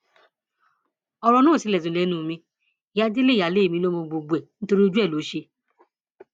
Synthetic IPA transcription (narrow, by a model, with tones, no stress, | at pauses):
ɔ˧ɾɔ˧nũː˦˨si˨˦lɛ˨zũ˨˦lɛ˨˦nũː˦˨mĩ˧˦˨ | ja˦de˦le˦˨a˨le˨˦˨mĩ˧˦lo˦mo˧ɡ͡bo˧ɡ͡bɛ˨ñ̩˦to˧ɾi˦o˧˦d͡ʒu˦ɛ˦˨lo˨˦ʃe˧